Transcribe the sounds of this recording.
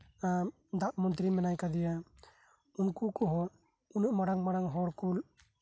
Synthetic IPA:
a | d̪aʔmɔnt̪ɾimɛnajkad̪ɛja | unkukɔɦɔ | unuʔmaɽaŋmaɽaŋɦɔɾkul

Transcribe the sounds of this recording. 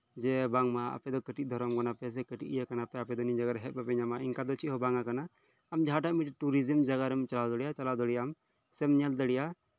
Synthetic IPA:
d͡ʒɛbaŋmaa̰pɛd̪ɔkəʈid̪ʱɔɾɔmɡɔnapɛs̬ɛkəʈiʔjakanapɛapɛd̪ɔnid͡ʒaɡaɾɦɛt̪̚bapɛɲamaiŋkad̪ɔt͡ʃʰihɔbaŋakanaː | md͡ʒaɦaʈaʔmiʈʈuɾizimd͡ʒaɡaɾɛmit͡ʃalawd̪ɔɽijat͡ʃalawd̪ɔɽijam | sɛmɲɛld̪əɽija

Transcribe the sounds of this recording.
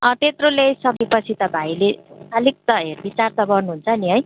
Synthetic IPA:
ʌt̪et̪rolesʌbipʌt͡sʰit̪ʌbʱailesalik̚t̪ʌɦerbit͡sart̪ʌbʌrnuɦunt͡sʰʌniɦʌj

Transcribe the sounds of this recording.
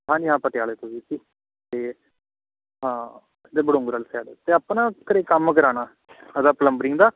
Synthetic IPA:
ɦãːd͡ʒɪɦãːpəʈjaːleːt̪ʊsiːsiː | t̪eː | ɦãː | t̪eːbəɽõːŋɡɾəlsɛːɖt̪eːəpnãːkəɾeːkəmkəɾaːnaː | əd̪aːpələmbəɾɪŋd̪aː

